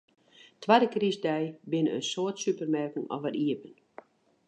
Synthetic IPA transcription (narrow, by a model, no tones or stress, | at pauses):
tʰwadəkrisdɛjbɪnəə̰soətsypərmɛrkənɔ̰vərʔiəpən